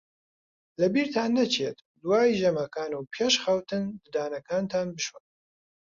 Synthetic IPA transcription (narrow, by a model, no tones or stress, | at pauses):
lɐbiːɾt̪ʰaːnːɐt͡ʃʰet̪ | d̪uwaːiʒemɐkʰaːnuwpʰeʃxɐwt̪ʰɨnd̪ɨd̪aːnɐkʰaːnt̪ʰaːnbɨʃwɐn